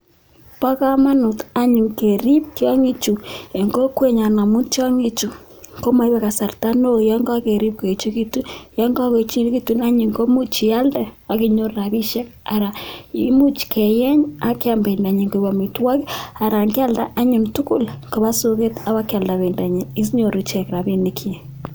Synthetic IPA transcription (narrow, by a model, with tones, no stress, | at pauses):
pa˦ka˦ma˦nu˨ta˦ɲu˨ŋke˨ɾi˦p̚tja˦ŋi˦t͡ʃu˨e˨ŋɡo˦kwe˦ɲa˨na˨mu˦tja˦ŋi˦t͡ʃu˨ | ko˦ma˦i˦βɛ˨ka˨sa˨rta˦no˦ja˦ŋɡa˦ke˨ɾi˦p̚ke˨t͡ʃu˦ki˦tu˦ja˦ŋɡa˦ke˨t͡ʃi˦n˦ki˦tu˦na˦ɲi˨ŋɡo˦mu˦t͡ʃi˨ja˦ldɛ˨a˨ki˦ɲo˦ɾa˨βi˦ʃɛ˦k̚a˨ɾa˨i˦mu˦t͡ʃkʰe˨jɛ˦ɲa˦ke˦a˨mbe˨nda˨ɲi˨ŋɡo˨βa˨mi˨twa˦ka˨ɾa˨ŋka˦lda˦ʔa˦ɲo˨ntu˦ku˦lŋko˨βa˦so˦ke˦ta˦βa˦ka˨lda˨βe˨nda˨ɲe˨i˦s̬ɲo˨ɾu˨t͡ʃɛ˨kɾa˨βi˦ni˨kʰi˦e˨